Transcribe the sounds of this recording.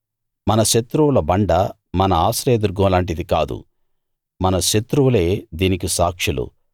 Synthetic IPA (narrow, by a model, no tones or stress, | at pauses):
mɐnɐʃet̪ɾuʋulɐbɐɳɖɐ | mɐnɐaːsɾejd̪uɾɡɐːlaːɳʈ̬id̪ikaːd̪ṵ | mɐnɐʃet̪ɾuʋule̞ːd̪iːnikisaːkʂilṵ